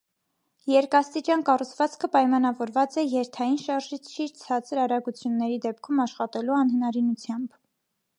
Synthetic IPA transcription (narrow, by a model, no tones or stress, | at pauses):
jɛɾkɑst̪it͡ʃɑnkɑrut͡sʰvɑt͡skʰəpɑjmɑnɑvɔɾvɑt͡sɛjɛɾt̪ʰɑjinʃɑɾʒit͡sʰʃiɾt͡sʰɑt͡səɾɑɾɑɡut͡sʰjunːɛɾid̪ɛp̚kʰumɑʃχɑt̪ɛluɑnhənɑɾinut͡sʰjɑmb